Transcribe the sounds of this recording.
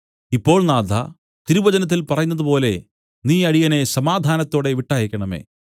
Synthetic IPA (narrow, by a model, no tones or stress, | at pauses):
ipːo̞ːɭnaːd̪ʱa̰ | t̪iɾubɐd͡ʑɐnɐt̪̬ːilpɐrɐjunːɐðɨpo̞ːle̞ | niːɐɽijɐne̞sɐmaːd̪ʱaːnɐt̪ːo̞ːɽe̞ʋiʈːaːjɐkʲːɐɳɐme̞̰ː